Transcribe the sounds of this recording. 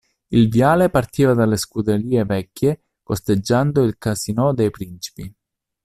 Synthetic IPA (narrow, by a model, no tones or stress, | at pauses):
ilvjaːlepart̪iːvad̪aleskud̪eliːevɛkʲːe | kost̪ed͡ʒːand̪oilkasinɔd̪ejpɾint͡ʃi̥pi